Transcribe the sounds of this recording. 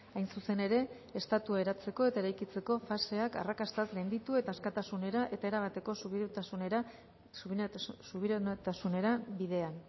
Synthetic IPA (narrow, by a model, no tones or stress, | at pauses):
ajnsuse̞ne̞ɾe̞ː | st̪at̪uae̞ɾat͡se̞ko̞e̞t̪ae̞ɾajkit͡se̞ko̞fase̞aka̰rakast̪azɡejnd̪it̪ue̞t̪aːskat̪asune̞ɾaʔe̞t̪ae̞ɾaɣ̞at̪e̞ko̞suβiaunɾa | suβiɾt̪asune̞ɾabiðe̞an